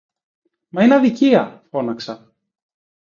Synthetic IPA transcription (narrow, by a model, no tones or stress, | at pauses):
mɐinɐðiciɐfo̞nɐksɐ